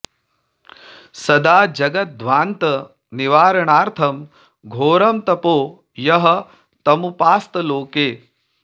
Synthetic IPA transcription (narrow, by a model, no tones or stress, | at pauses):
sɐd̪aːd͡ʒɐɡɐt̪̚d̪ʋaːnt̪ɐ | niʋaːɾɐɳaːɾt̪ʰɐm | ɡʱoːɾɐmt̪ɐpoː | jɐɦɐ | t̪ɐmupaːst̪ɐloːkeː